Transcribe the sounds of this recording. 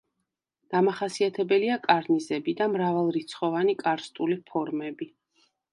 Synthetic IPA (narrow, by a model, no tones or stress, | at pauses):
d̪̥amaχasiat̪ʰɛbɛliakʼaɾnizɛbid̪amɾavalˠɾit̪sʰχɔvanikʼaɾst̪ʼulipʰɔɾmɛbi